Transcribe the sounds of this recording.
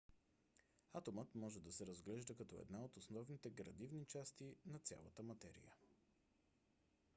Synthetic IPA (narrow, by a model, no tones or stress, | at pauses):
at̪omət̪mɔʒɛd̪ɐsɛɾɐzɡlɛʒd̪əkɐt̪ɔɛ̰d̪naot̪osnɔvnit̪ɛɡɾɐ̰d̪ivnit͡ʃast̪inɐt̪sʲja̰lˠə̰t̪əmɐt̪ɛɾḭjə